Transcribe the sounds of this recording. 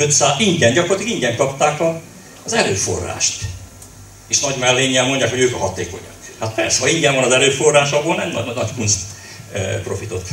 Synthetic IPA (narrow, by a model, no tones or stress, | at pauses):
øt̪saːiɲɡɛnɟɒkoɾrlt̪ikiɲɟɛŋkɒpt̪aːkɒː | zɛɾøːfo̞̰rːa̰ːʃt̪ | eːʃnɒɟmɛlːeːɲːɛmmo̞ɲɟaːkho̞ɟøːkɒɦɒt̪ḛːko̞̰ɲɒkhat̪̚pɛrsɛhɒiɲɟɛɱvɒnɒzɛɾøːfo̞rːaːʃɒboːlnɛmnɒ̰nɒckuns | pro̞fit̪o̰t̪